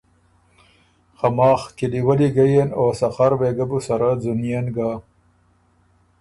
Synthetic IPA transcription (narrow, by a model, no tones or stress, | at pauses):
xamɑːxkiliwaliɡajenosɐxaɾweɡabusaɾazunijenɡa